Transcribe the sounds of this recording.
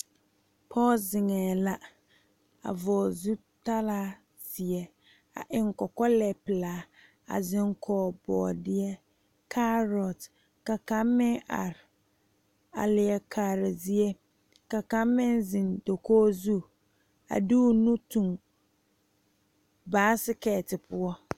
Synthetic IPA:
pʰɔ˦lzɪ˨ŋɛː˨la˦ | a̰˨vɔː˨zu˦ | ta˦laː˦ | sɪ˨ɛ˦ | a̰˨ʔɪ˨ŋkɔ˨kɔ˦lɛ˨pɪ˨laː˨˦ | a̰˨zɪ˦ŋkʰɔː˨˦bɔ̰ː˨dɪ˦ɛ˦ | kʰa˦ɾɔ˨t | ka˨ka˦mːɪ̃˦ŋʔa̰˨ɾɪ˨ | a̰˨lɪ˨ɛ˨kʰa˨ɾɪ˨zi˦e˦ | ka˨ka˨˦mːɪ̃˦nzɪ̃˨ndo˨koː˦zu˦˨ | a̰˨du˦nũ˦tũ˨ŋ | baː˨˦sɪ˦kɛː˨tɪ˨pʰʊ˦ɔ˦

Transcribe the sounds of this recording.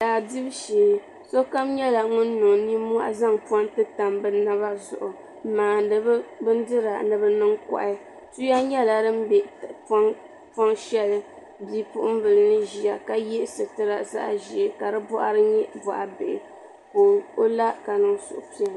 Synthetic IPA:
daː˨di˦bʃiː˨ | so˦ka˦mɲɛ˦la˨ŋʊ˦nː˦ʊ˨ŋni˦m˦a̰˦ʔa̰˦za˦ŋpa˦ntɨ˦ta˨mbɨ˦na˦βa˦zʊ̰˨ʔʊ˨˦ | maː˨dɨ˨bbɨ˦ndɨ˦ɾa̰˨nɨ˨bɨ˦nɨ˦ŋkɔ̰˨ʔɪ˦ | tu˦ja˦ɲɛ˦la˨dɨ˦m˦bɛ˨p | pɔ˦ŋʃɛ˦lɨ˦ | bi˦pʊ˦ʔʊ˦m˦vɨ˨lɨ˦nɨ˦ʒi˨a˨ka˨jɛ˦ʔsɨ˨tɨ˦ɾa˨za̰˦ʔʒi˨ɛ˨ka˨ɾɨ˦bɔ˦ʔa̰˦ɾɨ˦ɲɛ˦bɔ˨ʔa˨bḛ˨ʔɪ˨ | po˨ŋo˦la˦ka˨nɨ˨ŋsʊ̰˨ʔʊ˨pi˦a˨

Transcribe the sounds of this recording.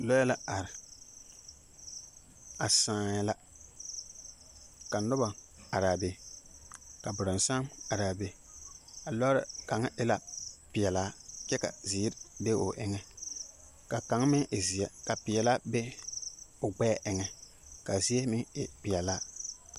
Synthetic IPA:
lɔ˦jɛ˦la˦a˨ɾɪ˨ | a˨sãː˦ɲ˦la˦ | ka˨nʊ˦ba˨a˨ɾa˨be˨ | ka˨bʊ˨ɾʊ˨n˨sa˦ma˨ɾa˨be˨˦ | a˨lɔ˦ɾɪ̰˨ka˨ŋa˦ʔɪ˦la˦pɪ˨ɛ˨laː˦kɛ˦ka̰˨zi˨˦ɾbe˦ʊ˨ʔɪ̰˦ŋɛ˦ | ka˨ka˨˦ŋ˦mɪ˦ŋʔɪ˨zi˨ɛ˨ka˨pɪ˨ɛ˨la˦be˦ | ʊ˨ɡ͡bɛ˦ʔɪ˨ŋɛ˨ | ka˨zi˦e˦mɪ˦ŋɪ˨pɪ˨ɛ˨laː˦

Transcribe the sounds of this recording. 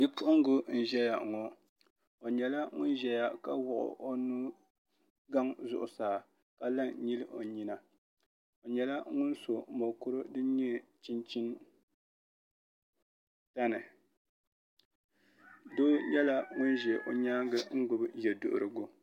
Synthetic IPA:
ɡɨ˦pʊ˦ʔʊ˦ŋ˦ɡʊ˦n̩˨ʒɛ˦ja˨ŋɔ˨ | o˨ɲɛ˨la˦ŋʊ˦nʒɛ˦ja˨ka˦wʊ˨ʔʊ̰˨ʔo˦nu˦ | ɡa˦ŋzʊ̰˨ʔʊ̰˨saː˨ | ka˦la˦ŋ˨ɲi˦lɨ˦ʔo˨ɲi˦na˨ | o˨ɲɛ˨la˦ŋʊ˦n˦so˨mo˨kʊ˦ɾɨ˦dɨ˦ɲɛ˦t͡ʃi˦nt͡ʃi˦n | ta˦nɨ˨ | doː˦jɛ˦la˦ŋʊ˦nʒɛ˨ʔo˨ɲaː˦ɡɨ˦ŋ̩˦ɡʊ˨bjɛ˨dʊ̰˨ʔʊ̰˨ɾɨ˨ɡʊ˦

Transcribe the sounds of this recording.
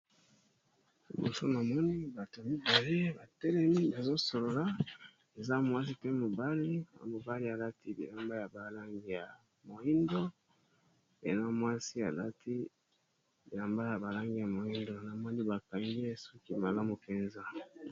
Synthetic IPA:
bo̰˨so̰˦na˨mɔ˦ni˦ba˨to˨ja˨mi˦ba˨le˦ba˨tɛ˦lɛ˦mi˦ba˨zo˦so˨lo˨la˦ | e˨za˦mwa˦s̬i˦tɛ˦mo˨ba˦li˦˨mo˨ba˦li˦a˨la˦tʰi˦bḭ˨la˨mba˦ja˨ba˨la˦ŋɡi˨ja˨ | mo˨i˦ndo˦ | ḛ˨za˦mwa˦si˦a̰˨la˦tʰi˦ | bi˨la˨mba˦ja˨ba˨la˦ŋɡi˨ja˨mo˨i˦ndo˨na˨mɔ˦ni˦ba˨ka˨ŋɡe˦so˦ki˦ma˨la˦mu˨pe˨nza˦

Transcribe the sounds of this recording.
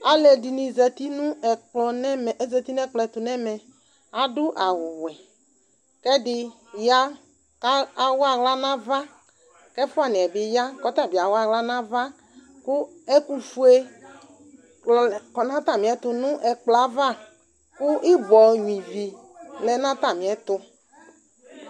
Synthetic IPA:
a˨lɛ˨di˨nĩ˨zɛ˨t̪i˦nʊ̃˦ɛ˨k͡plɔ˨nɛ˦mɛ˨˦zɛ˨t̪i˦n˦ɛ˦k͡plɔ˨ɛ˨t̪ʊ˨nɛ˦mɛ˨ | a˨dʊ˦ʔa˨wʊ˨wɛ˨ | kɛ˦dɪ˦ | ja˦ | ka˦a˨wɔ˦a˨ɣla˦nã˦va˦ | kɛ˦fʊ˦a˨nĩ˨ɛ˨bɪ˨ja˦kɔ˦t̪a˦˨bi˨a˨wo˦a˦˨ɣla˦nã˦va˦ | kʊ˦ɛ˦ku˦fu˦e˦˨ | kɔ˨nã˦t̪a˦˨mĩ˨ɛ˦t̪ʊ˦nʊ̃˦ʔɛ˨k͡pla˨˦va˦ | kʊ˦ʔi˦bɔ˨ɲũ˨ĩ˨vi˨ | lɛ˨nã˦t̪a˦˨mĩ˨ɛ˦t̪ʊ˦

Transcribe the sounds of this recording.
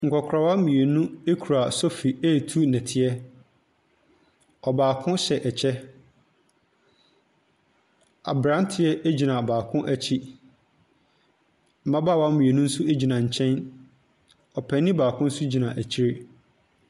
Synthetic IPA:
ŋ̩˨kʰʷɔ˨kʰɾa˨wa˦mĩ˨e˨nũ˦e˦kʰu˨ɾa˨sɔ˦fi˨eː˦˨tʰu˦nɛ̃˨tʰɪ˦ɛ˦ | ɔ˨baː˨kʰʊ̃˦ɕɛ˨ʔɛ˨t͡ɕʰɛ˦ | a̰˨bɾã˦n˦tʰɪ˦ɛ˦ʔe˦d͡ʑi˨nã˨baː˨kʰʊ̃˦ʔæ˦t͡ɕʰi˦ | m̩˨mã˦baː˦˨wa˦m̩˦mĩ˨e˨nũ˦n̩˦su˦e˦d͡ʑi˨nã˨ɲ̩˨t͡ɕʰɛ̃˦n | ɔ˨pʰɛ˨nːɪ̃˦baː˨kʰʊ̃˦n̩˦su˦d͡ʑi˨nã˨ʔæ˨t͡ɕʰi˦ɾe˦

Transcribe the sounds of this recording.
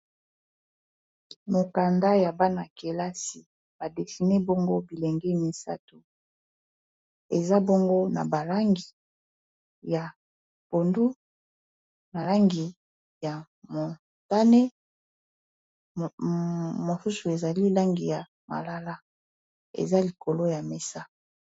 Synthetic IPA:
mo˨ka˨nda˦ja˨ba˦na˨ke˨la˦si˨ | ba˨de˨fi˨ne˦bo˦ŋɡo˦bi˨lɛ˨ŋɡɛ˦mi˨sa̰˦tu˨ | e˨za˦bo˦ŋɡo˦na̰˨ba˨la˦ŋɡi˨ | ja˨ | po˨ndu˦ | ma˨la˦ŋɡi˨ | ja˨ | mo˨ | ta˦ne˦ | mo˨su˦su˨e˨za˨li˦la˦ŋɡi˨ja˨ | ma̰˨la˨la˦ | ḛ˨za˦li˨ko˨lo˦ja˨me˦˨sa˦

